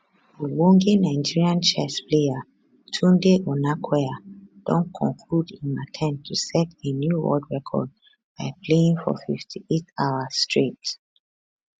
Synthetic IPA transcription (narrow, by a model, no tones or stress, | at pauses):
əwɔ̃ŋɡenaɪd͡ʒiɹiãnt͡ʃɛsplea | tʰũndeʔɔnakʰwɛad̥ɔ̰̃nkʰɔ̃ŋkʰludĩnmatʰɛ̃m̚tʰusɛtenjuɹɔ̰dɹɛkʰɔ̰d̚ | b̥aɪpʰleĩŋfɔ̰fiftʰiʔetaʊəstɹit